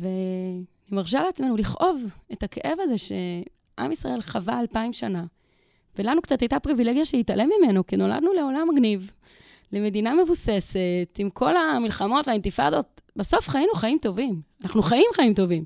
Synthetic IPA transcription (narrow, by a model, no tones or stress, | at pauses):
ve̞nimaʁʃ̬aleat͡sme̞nuliχʔo̞ve̞takeʔe̞vaze̞ʃe̞ | ʔa̰misʁa̰e̞lχavaːlpaimʃana | velanukt͡satajtapʁivileɡjaʃehitalemːime̞nokino̞la̰d̪nule̞o̞lamaɡniv | leme̞diname̞vuse̞se̞timkʰo̞lamilχamo̞tveaint̪ifa̰do̞t̚baso̞fχajinuχaimto̞vimanaχnuχaimχaimto̞vim